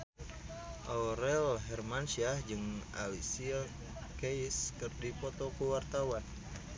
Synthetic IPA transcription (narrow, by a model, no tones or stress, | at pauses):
ʔauɾɛlɦɛrmansiahd͡ʒɨŋa̰lisia | keiskɨrdipɔt̪ɔkuwart̪awan